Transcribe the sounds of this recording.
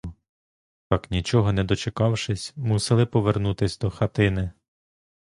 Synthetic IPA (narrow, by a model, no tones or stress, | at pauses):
t̪ɑknʲit͡ʃɔɦɔnɛd̪ɔt͡ʃekɑwʃɪsʲmusɪlˠɪpɔʋernut̪ɪsʲd̪ɔxɐt̪ɪnɪ